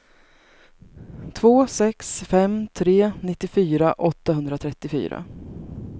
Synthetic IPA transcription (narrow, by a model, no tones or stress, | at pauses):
t̪ʰvoːsɛksfɛmt̪ʰɾeːnɪt̪ːɪfyːɾaʔɔt̪ːahɦɵnd̪ɾat̪ʰɾɛt̪ːɪfy̰ːɾa̰